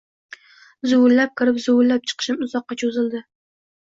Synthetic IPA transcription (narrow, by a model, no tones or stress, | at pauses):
zʊwʊllap̚kʰʲɪɾɪpzʊwʊllːap̚t͡ʃʰɨ̥qʰɨ̥ʃɪmʊzɒqːɑt͡ʃʰʊzɪld̪ɪ